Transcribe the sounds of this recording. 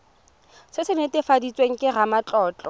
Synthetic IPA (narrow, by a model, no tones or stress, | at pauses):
sɪsɪnetɪfadit͡sʼweŋ̩kʼɪɣamat͡ɬʼɔːt͡ɬʼɔ